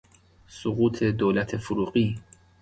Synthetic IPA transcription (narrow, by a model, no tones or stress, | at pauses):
soɣuːt̪ʰe̞d̪oːlæt̪ʰefuɾuːɢiː